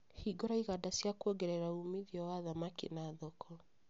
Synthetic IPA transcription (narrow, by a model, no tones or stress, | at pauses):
hiɡɔɾaiɣadasiakuɔɡɛɾɛɾaumiðjɔwaðamakḭnaðɔkʰɔ